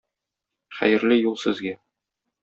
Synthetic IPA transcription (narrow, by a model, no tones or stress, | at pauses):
χæ̰jɘ̆ɾlɘjulˠsɘ̆zɡæ